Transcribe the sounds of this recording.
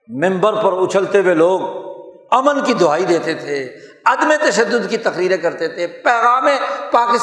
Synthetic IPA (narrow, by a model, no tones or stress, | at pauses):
mɪ̃mbəɾpɐɾʊt͡ʃʰəlt̪eweloːɡ | ɐmənkid̪ʱʊaːid̪eːt̪et̪ʰe | ɐd̪met̪ɐʃəd̪ːʊd̪kit̪ɐkɾiːɾẽkɐɾt̪et̪ʰepɛːɣaːmẽpaːkɪs